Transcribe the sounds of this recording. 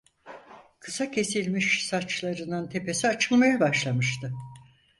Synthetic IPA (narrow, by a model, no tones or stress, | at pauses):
kʰɯsacʰe̞silʲmiʃsat͡ʃlˠaɾɯnɯnt̪ʰe̞pe̞siat͡ʃʰɯlˠmajabaʃlˠamɯʃt̪ʰɯ